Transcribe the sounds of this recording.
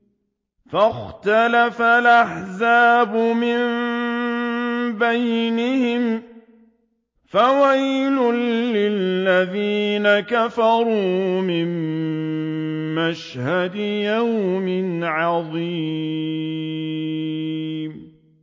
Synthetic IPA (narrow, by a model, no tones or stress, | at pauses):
faxt̪alafalʔaħzaːbʊmɪm | bajnɪhɪm | fawajlʊːɪlːaðiːnakafɑɾˤuːmɪm | maʃhad̪jawmɪnʕɑðˤiː | m